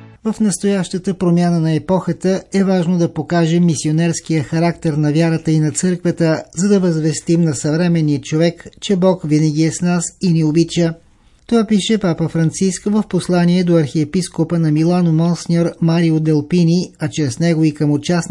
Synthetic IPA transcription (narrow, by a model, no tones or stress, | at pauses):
vəfnɐst̪ojaʃt̪ət̪əpɾomʲjanənɐɛpɔxət̪əɛvaʒnod̪ɐpokaʒɛmːisionɛɾskijəxɐɾakt̪ɛɾnɐvjaɾət̪əinɐt̪sɤɾkvət̪əzɐd̪ɐvɐzvɛst̪imnɐsɐvɾɛmɛnːiət͡ʃovɛkt͡ʃɛbɔkvinəɡ̟iɛsnasiniobit͡ʃə | t̪ovapiʃɛpapəfɾɐnt̪siskvəfposlˠaniɛd̪oɐɾxiɛpiskopənɐmilˠanomɔnsniɔɾmaɾiod̪ɛlˠpiniɐt͡ʃɾɛsnɛɡoikəmot͡ʃasn